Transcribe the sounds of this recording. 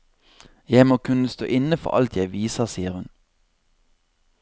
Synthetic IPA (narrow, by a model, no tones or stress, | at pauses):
jæɪmoːkʰʉnəst̪o̰ːʔɪnəfɔ̰ʁɑ̰lt̪ʰjæɪʋiːsəʁsiːəʁhʉn